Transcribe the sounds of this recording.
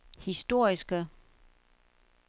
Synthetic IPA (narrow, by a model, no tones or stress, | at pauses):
hisd̥o̝ɐ̰isɡ̥ə